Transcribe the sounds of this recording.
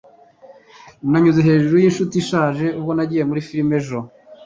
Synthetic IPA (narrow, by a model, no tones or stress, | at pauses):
naɲuzeɦe̞ːʒuɾujinʃutiʃaːʒe̞ub̚ɡo̞naɟije̞muɾifiɾime̞ʒo